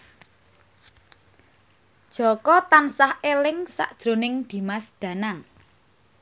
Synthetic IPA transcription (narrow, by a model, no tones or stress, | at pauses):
d̥ʒ̥ɔ̤kɔt̪ansahelɪŋsa̰ʔd̥ʒ̥ɾo̤nɪŋd̪̥i̤masd̪̥ä̤naŋ